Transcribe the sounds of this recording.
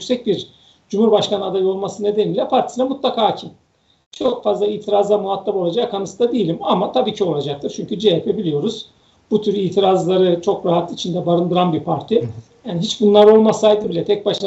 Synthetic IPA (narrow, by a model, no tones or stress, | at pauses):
ykʲsɛc̚biɾ | d͡ʒumhuɾbaʃkanɯad̪ajo̞lˠmasɯne̞d̪eniːlʲɛpʰaɾt̪ʰi̥sinamut̪lˠakʰaːcʰi | t͡ʃʰo̞kfazlˠaiːt̪ʰiɾazd̪ˠamuɦat̪ʰːapo̞lˠad͡ʒakakʰanɯsɯd̪ad̪ejilʲimamat̪ʰabiːcʰio̞lˠad͡ʒak̚t̪ʰɯɾt͡ʃʰyɲcʰyd͡ʒiapʰebilʲijo̞ɾuz̥ | b̥ut̪ʰyɾiːt̪ʰiɾazlˠaɾɯt͡ʃʰo̞kɾaɦat̪it͡ʃʰind̪ɛbaɾɯnd̪ɯɾanbiɾpʰaɾt̪ʰijaːniɦit͡ʃbunlˠaɾo̞lˠmasaːjd̪ɯbilʲɛt̪ʰɛc̚baʃlˠa